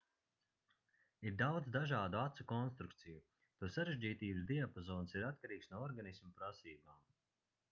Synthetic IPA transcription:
iɾd̪awd̪zd̪aʒaːd̪uat̪sukɔnst̪ɾukt̪siju | t̪usaɾeʒd͡ʑiːt̪iːbɨzd̪iapozɔːnsiɾat̪̚kaɾiːksnuɔɾɡanismupɾasiːbaːm

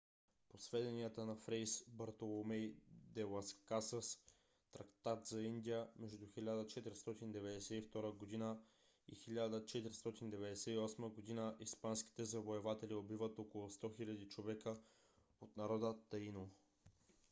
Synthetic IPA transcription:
posvɛd̪ɛniət̪ənɐfɾɛjsbɐɾt̪olˠomɛjd̪ɛlˠɐskasəs | t̪ɾɐkt̪at̪zɐind̪ijəmɛʒd̪uxilʲad̪ət͡ʃɛt̪iɾst̪ɔt̪ind̪ɛvɛd̪ɛsɛift̪ɔɾəɡod̪inə | ḭxilʲad̪ət͡ʃɛt̪iɾist̪ɔt̪ind̪ɛvɛd̪ɛsɛiɔsməɡod̪inəʔispanskʲi̥t̪ɛzɐvoɛvat̪ɛliobivət̪okolˠʊst̪ɔxilʲɐd̪it͡ʃovɛkə | ot̪nɐɾɔd̪ət̪ɐino

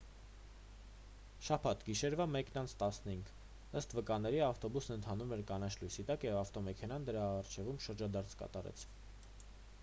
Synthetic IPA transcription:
ʃɑpʰɑt̪ɡiʃɛɾvɑmɛknɑnt͡sʰt̪ɑsnəhiŋɡ | əst̪vəkɑnːɛɾiɑft̪ɔbusnənt̪ʰɑnumɛɾkɑnɑt͡ʃʰlujsit̪ɑkjɛvɑft̪ɔmɛkʰɛnɑnd̪əɾɑɑɾt͡ʃʰɛvumʃəɾd͡ʒɑd̪ɑɾt͡sʰkɑ̰t̪ɑɾɛ̰t͡sʰ

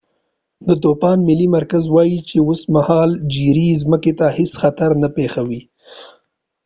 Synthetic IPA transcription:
d̪ət̪opɑnmɪlimaɾkazwɑjit͡ʃeosmahɑld͡ʒiɾizməket̪ahɪsxat̪aɾnapexawi

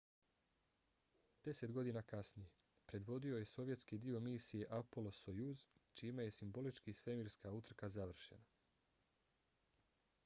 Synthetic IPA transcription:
d̪̥e̞se̞t̪ɡo̞d̪inakasnije̞ | pɾe̞d̪ʋo̞d̪io̞je̞so̞ʋje̞t̪skid̪io̞miːsije̞ʔapolosojuzt͡ʃiːmaje̞simbo̞lit͡ʃkisʋe̞miɾskaut̪r̩kazaʋr̩ʃena

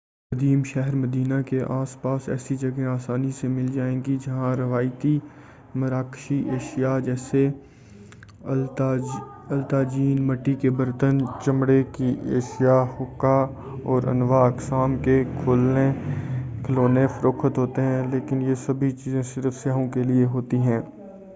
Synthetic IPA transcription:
kɐd̪iːmʃɛɦəɾmɐd̪iːnakeʔaːspaːsɛ̰ːsid͡ʒɐɡẽaːsaːnisemɪld͡ʒaːẽːɡid͡ʒɐɦãɾɐʋaːɪt̪i | mɐɾaːkʃiʔeːʃijad͡ʒɛːse | ɐlt̪aːd͡ʒiːnmɐʈːikebɐɾt̪ənt͡ʃɐmɽekiʔeːʃɪjahʊkːa | ɔːɾɐ̰nʋaɐksaːmkekʰoːlne | kʰəloːnefʰɐɾoːkʰət̪ɦoːt̪eɦɛ̃leːkɪnjesɐbʱit͡ʃiːzẽsɪɾəfsjaːɦõkelieɦoːt̪iɦɛ̃ː

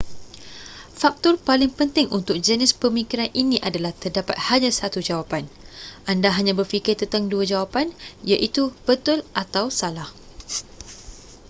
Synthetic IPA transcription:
fak̚t̪ɔrpalɪŋpənt̪ɪŋunt̪ʊk̚d͡ʒənispəmikiɾanʔinĩʔadalaht̪ərdapa̰t̪̚haɲãsat̪ud͡ʒawapanʔandaɦaɲãbərfikɪrt̪ənt̪aŋduad͡ʒawapanjaʔit̪ub̥ət̪ʊlʔat̪awsalah

